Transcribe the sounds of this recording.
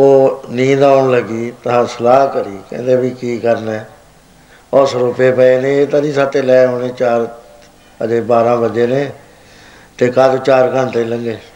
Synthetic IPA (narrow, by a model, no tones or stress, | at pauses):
oːnĩːd̪aːɳləɡiːt̪əãːsəlaːɦkəɾiːkɛ̰̃ːnd̪eːbiːkiːkəɾnɛː | ɔsɾʊpeːpəeːnẽːeːt̪ãːnĩːsaːt̪eːlɛːõːneːt͡ʃaːɾ | əd͡ʒeːbaːɾãːbəd͡ʒeːnẽː | t̪eːkad̪t͡ʃaːɾkə̃nt̪eləŋɡeː